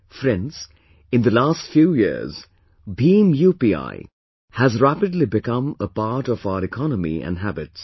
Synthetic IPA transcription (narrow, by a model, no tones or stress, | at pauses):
fɾɛ̃ns | ɨ̃nðəlæstfjujɪ̰ɹz | bĩmjupia̰ɪ | hæzɹæpɨdˡlibɨkʌ̃məpɑɹɾɔvaʊəɾɨkʰɑnəmḭɨ̰̃nɦæbɪts